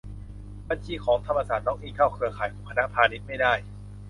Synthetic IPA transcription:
ba˧nt͡ɕʰiː˧kʰɔː˩˦ŋt̪ʰa˧mːaː˧saː˨˩t̪̚nɔː˦˥˩ŋʔiː˥˧˩kʰaː˥˩wkʰɯ˧ɐkʰaː˨˩˦jʰuː˨˩˦ŋkʰa˧na˦˥pʰaː˧ni˦˥t̪̚ma˥˩jdaː˥˩j

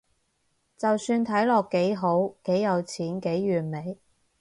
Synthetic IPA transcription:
t͡sɐ˨wsyː˧nt̪ʰɐ˨˥jlɔː˨kːe˨˥jɦo˨˥wke˨˥jjɐ˨˧wt͡sʰiː˨˥nke˨˥jːyː˨˩nme˨˥j

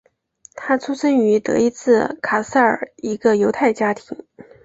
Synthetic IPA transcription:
t̪ʰa˥t͡sʰu˥ʂə˥ŋy˧˥t̪ɤ̰˧˥i˧˥t͡sʰɹ̩˥˩kʰa˨˩sa˥˩ə̰˞˨˩˦i˧˥ɡə˧jo˧˥ʊt̪ʰa˥˩ɪt͡ɕja˥t̪ʰi˧˥ŋ

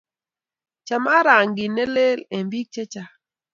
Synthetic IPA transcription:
t͡ʃa˨ma˦ɾa˨ŋɡɪ˨ne˦le˦le˨mbi˦k̚t͡ʃɛ˦t͡ʃa˨

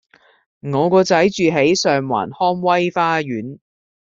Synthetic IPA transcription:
ŋɔː˨˧kɔː˧t͡sɐ˨˥jt͡ʃyː˨ɦe˨˥jsœː˨ŋwa̰ː˨˩nhɔː˥ŋwɐ˥jfaː˥jyː˨˥n

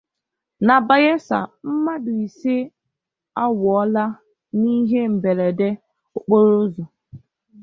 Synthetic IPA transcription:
na˨ba˨ɣe˦sa̰˨m̩˦ma˦dʊ˨i˨se˦ | a˦wɔ˦la˦ | ni˦ɦe˦m̩˨be˨ɾe˨de˦ | o˨k͡po˦ɾo˦zo˨

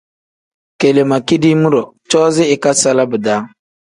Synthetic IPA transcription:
ke˨le˨ma˨ki˦di˦mu˦ɾɔ˨ | t͡ʃɔː˦zɪ˦ɪ˨ka˦sa˦la˦bɨ˨daː˦

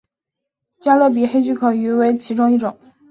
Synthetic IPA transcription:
t͡ɕja˥lɤ˥˩p̬i˨˩xe˥ɪt͡ɕy˥˩kʰɤ˨˩y˧˥we˧˥ɪt͡ɕʰi˧˥ʈ͡ʂʊ˥ŋi˥˩ʈ͡ʂʊ˨˩˦ŋ

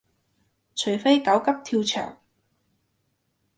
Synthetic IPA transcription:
t͡ʃʰɵ˨˩jfe˥jkɐ˨˥wkɐ˥p̚t̪ʰiː˧wt͡ʃʰœ̰ː˨˩ŋ

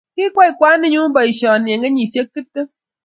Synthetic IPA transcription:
ki˦kʷɔ˦i˨kʷa˦ni˦ɲu˦bɔ˨i˨sɔ˨a˨nje˨ŋe˦ɲi˨sje˦kːɨ˦tːə˦

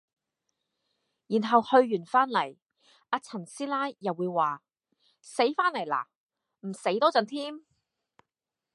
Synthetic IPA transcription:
jiː˨˩nɦɐ˨whɵ˧ɥjyː˨˩nfaː˥nlɐ˨˩j | ʔaː˧t͡sʰɐ˨˩nsiː˥laː˥jjɐ˨wːuː˨˧jwaː˨ | se˨˥jfaː˥nlɐ˨˩jla̰ː˨˩ | m̩˨˩se˨˥jt̪ɔː˥t͡sɐ˨nt̪ʰiː˥m

